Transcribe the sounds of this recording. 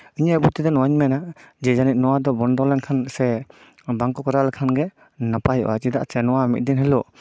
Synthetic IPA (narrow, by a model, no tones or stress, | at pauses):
ɯɲabut̪idɔnɔaɲmɛnad͡ʒɛd͡ʒanit̪̚nɔwadɔbɔndɔlɛnkʰansɛ | baŋkɔkɔɾalkʰanɡɛ | napajɔ̰ʔat͡ʃidaʔsɛnɔwamit̚dinɦɛlɔ